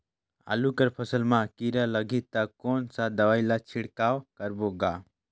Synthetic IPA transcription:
a̰lukəɾpʰəsəlmãkiɾaləɡʱit̪akoːnsad̪əʋaːilat͡ʃʰɪɽkaːwkəɾboːɡaː

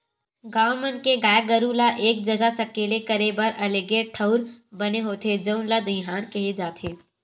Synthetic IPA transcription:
ɡaːmənkeɡaːjɡəɾulaʔeːk̚d͡ʒɐɡasɐkeːlekɐɾebɐɾɐleːɡeʈʰəʊɾbɐneɦoːt̪ʰed͡ʒəʊnlad̪ɪɦaːnkɐɦed͡ʒaːt̪ʰeː

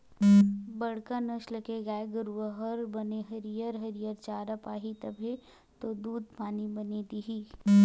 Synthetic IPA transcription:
bɐɽ̤kanɐʃləkeɡaːeɡəɾuʋəɦɐɾbɐneɦɐɾijəɾɦɐɾijəɾt͡ʃaːɾəpaːɦit̪ɐbʱe | t̪od̪uːd̪̚paːnibɐned̪iɦiː

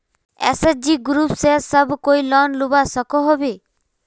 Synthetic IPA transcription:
ḛsesd͡ʒiɡɾupsesɔbkojlɔnlubasɔkɔɦɔbe

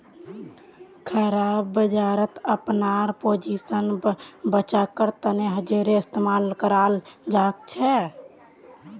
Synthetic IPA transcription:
kʰəɾabːəd͡ʒaɾət̪əpnaɾpod͡ʒisənbət͡ʃakəɾt̪əneɦəd͡ʒeɾeɪst̪emalkəɾald͡ʒak̚t͡ʃʰɛ

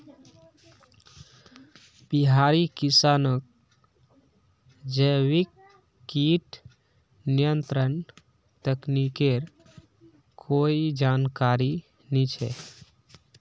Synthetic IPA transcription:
biɦaɾikisanək̚ | d͡ʒəʋikː | iʈ | nijənt̪ɾən | t̪əknikeɾ | kʰoid͡ʒankaɾi | nit͡ʃʰɛ̰

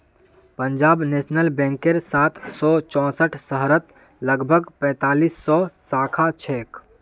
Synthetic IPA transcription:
pəɲd͡ʒaːbneːʃnəlbɛ̃ːŋkeɾsaːt̪ʰsɔt͡ʃɔ̃ːsəʈʰsəɦɾət̪ | ləɡbʱəɡpɛ̃ːt̪aːliːsːɔːsaːkʰat͡ʃʰɛːk

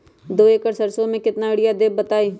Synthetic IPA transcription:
d̪oːeːkəɾsəɾsõmẽkɪt̪naɪɽɪjad̪eːbbət̪aːiː

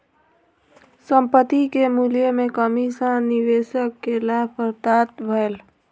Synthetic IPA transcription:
səmpət̪ikemuljəmekəmisəniʋeʃəkːelapʰəɾt̪at̪bʱəel

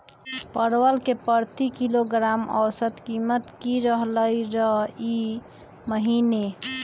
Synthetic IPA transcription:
pəɾwəlkepəɾt̪ikiloɡɾamə̰wsət̪kimət̪kiɾəɦləɾəɦi | məɦine

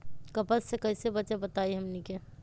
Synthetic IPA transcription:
kəpəssekəɪsebəːʃebət̪aiɦəmnike

